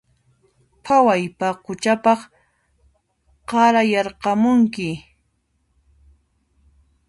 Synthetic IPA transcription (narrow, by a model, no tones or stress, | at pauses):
pʰawajpaqʊt͡ʃapɑχ | qɑɾajɑɾqɑmʊŋkɪ